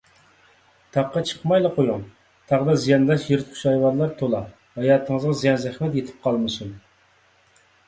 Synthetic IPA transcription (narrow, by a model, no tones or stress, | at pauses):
t̪ʰɑqːɑt͡ʃʰə̥qmɑjlˠɑqʰojuŋ | t̪ʰɑʁd̪ɑzijɑnlˠɑʃjeɾɨt̪qʰʊ̥ʃɑjwɑɾlˠɑɾt̪ʰolˠɑ | hɑjɑːt̪ʰəŋəzʁɑzijɑnzɛχmɛt̪jet̪ʰɪ̥p̚qʰɑlˠmɨsun